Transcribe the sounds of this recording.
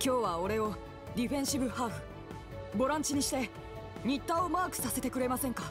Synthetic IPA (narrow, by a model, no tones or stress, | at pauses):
kʲo̞ːβao̞ɾe̞o̞ | d̪ʲiɸẽɰ̃ɕibɯ̟haːɸɯ̟̥ | bo̞ɾãɲ̟t͡ɕiɲ̟iɕi̥t̪e̞ | ɲ̟it̪ːao̞maːkɯ̟̥sase̞t̪e̞kɯ̟ɾe̞masẽ̞ŋka